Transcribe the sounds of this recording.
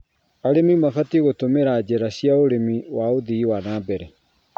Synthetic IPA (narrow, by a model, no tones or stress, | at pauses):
aɾemimafatiɣotomeɾad͡ʑɛɾaɕiaoɾemiwaoðiiwanaːbɛɾɛ